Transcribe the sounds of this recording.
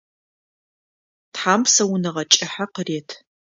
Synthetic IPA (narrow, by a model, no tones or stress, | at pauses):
tħaːmsɐwʊnɨʁɐt͡ʃʼɪħaqəreːtʰ